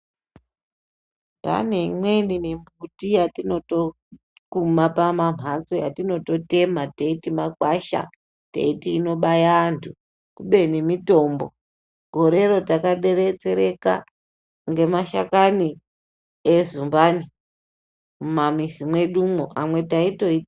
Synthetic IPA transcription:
pa̰ne̞mweninimbutijatino̞to̞ | kumapamam̤ʱant͡so̞jatino̞to̞te̞mateitimakwaʃa̰ | tḛitiːno̞ɓajaːntʰu | kuɓenimito̞mbo | ɡ̥ʱo̞ɾe̞ɾo̞takaɗe̞ɾet͡se̞ɾe̞ka̰ | ŋɡe̞maʃa̰kani | ezumbani | mumamisimwe̞ɗumoʔamwe̞taito̞i

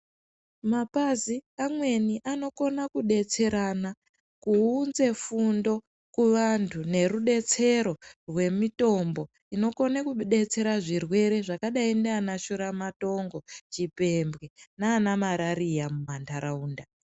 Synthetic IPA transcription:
mapaziamwe̞niʔano̞ko̞nakuɗe̞t͡se̞ɾana | kuunze̞fundo̞ | kuʋantʰune̞ɾuɗe̞t͡se̞ɾo̞rwe̞mito̞mbo̞ | ino̞ko̞nakuɗe̞t͡se̞ɾaʐirwe̞ɾe̞ʐakaɗaindeanaʃoɾamato̞ŋɡo̞t͡ʃipe̞mbɣe̞naːnamaɾaɾijamumandʱaɾauːnda

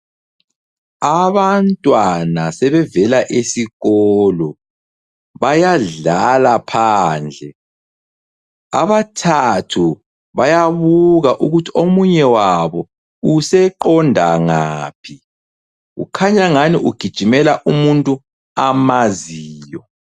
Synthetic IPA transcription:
aβantʼwanasɛβɛvɛlaʔesiɣɔlɔ | βajaɮalapʰaːnd͡ɮʱɛ | a̰βatʰatʰu | βajaβuɣaʔuɣutʰi̥omuɲɛwaβɔ | usɛǃɔndʱaŋaːpʰi | ɣṵkʰaɲaŋaniʔuɡ̥ʱid̥ʒ̥ʱimɛlaʔumuntʼu | amaziːjɔ

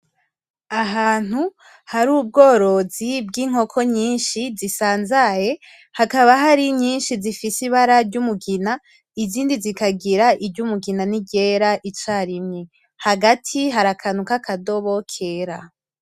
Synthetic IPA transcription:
aɦaːn̥hu | haɾuːb̚ɡo̞ːɾo̞zib̚ɡiːŋ̥o̞kʰo̞ɲiːnʃizisaːnzaje̞ | hakaβaɦaɾiɲiːnʃizifisiβaɾaɾɟumuɡina | iziːndizikaɡiɾaʔiɾɟumuɡinaniɟeɾaʔit͡ʃaːɾimɲe | haɡatʰiɦaɾakʰanukakʰado̞βokʰeɾa

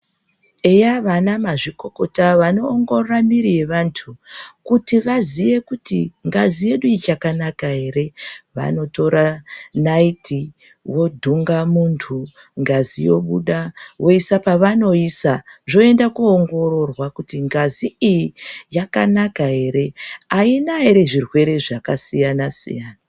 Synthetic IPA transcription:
ejaʋanamaʐiko̞ko̞taʋano̞ːŋɡo̞rramiɾije̞ʋantʰukutiʋazije̞kutiŋɡazije̞ɗuit͡ʃakanakaɦe̞ːɾe̞ʋa̰no̞to̞ɾanaitʰi | wo̞dʱuŋɡamuntʰu | ŋɡazijo̞̰ɓṵɗawʔo̞isapaʋano̞isaʐo̞e̞ndakuːŋɡo̞ro̞rwakutiŋɡaziijijakanakaɦe̞ɾe̞ainaɦeɾe̞ʐirwe̞ɾe̞ʐakasijanasḭjaːna

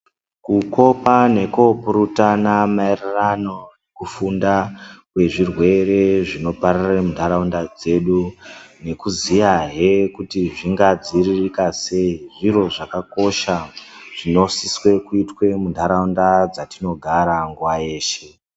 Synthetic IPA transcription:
kuko̞pane̞kopuɾutanamaerirano̞ekufundakwe̞ʐirwe̞ɾe̞ʐino̞paɾaremundaɾaundad͡ze̞ɗune̞kuzijaɦe̞kutiʐiŋɡad͡ziririkase̞iʐiro̞ʐakako̞ʃaʐ̥ino̞siswe̞kuitwe̞mundʱaɾaundad͡zatino̞ɡʱaɾaŋɡuwaeːʃe̞

